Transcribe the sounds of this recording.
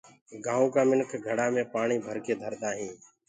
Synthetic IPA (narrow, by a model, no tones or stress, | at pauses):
ɡãːõːkaːmɪnkʰɡʱəɽaːmẽːpaːɳiːbʱəɾkeːd̪ʱəɾd̪aːɦĩː